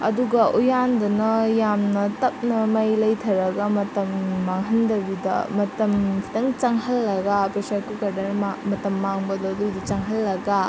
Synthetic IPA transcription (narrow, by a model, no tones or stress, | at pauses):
ɐ̰duɡɐʔujandɐnɐjamnɐtɐp̚nɐmɐjlɐjtʰɐɾɐɡɐmɐtɐmːaŋɦɐndɐbidɐ̰mɐtɐmpʰi̥t̪ɐŋt͡ʃaŋɦɐlːɐɡapesaɾkukɐɾdɐnamɐtɐmːaŋbɐdɐːdudɐt͡ʃaŋɦɐlːɐɡa